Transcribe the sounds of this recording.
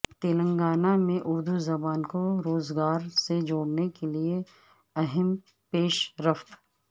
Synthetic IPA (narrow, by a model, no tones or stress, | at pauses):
t̪eːlə̃ŋɡaːnamẽʔʊɾd̪uzɐbaːnkoɾoːzɡaːɾsed͡ʒoːɽnekelie | ɛɦɛm | peːʃɾɐft̪